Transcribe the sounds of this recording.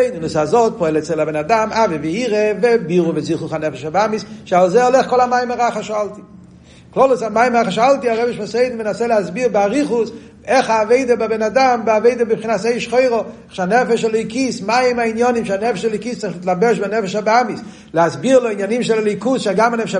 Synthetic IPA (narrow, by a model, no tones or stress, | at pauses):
ɪdnusazot̚pɔɛlɛt͡sɛlabɛnadamʔavɪvɪiʁevɪbiʁuvɪziχʊχanɛfɛʃabamisʃalˠzɛalˠɛχkɔlˠamaɪmaʁaχaʃalˠti | klˠɔlˠəsamaɪmʁaχaʃalˠtiaʁɛbɪʃmaseɪdn̩menasɛlɪasbiʁbɪaʁiχʊs | ɛχaːveɪdəbabɛnadambɪaveɪdəbɪbχinaseɪʃχoɪʁɔaχʃanɛfɛʃalɔjkismajɪmainjɔnimʃanɛfɛʃalɔkist͡sɪχlɪt̪labɛʃbanɛfɛʃabɪamis | lɪasbiʁloinjanimʃɛlɛlikusʃaɡamanɛfʃ